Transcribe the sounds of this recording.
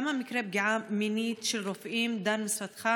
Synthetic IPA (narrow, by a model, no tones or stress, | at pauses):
mamɪkɾeːb̚ɡaʕaːmɪniːt̪ʃɪlɾofʔiːmd̪aːnmɪsfat̪xa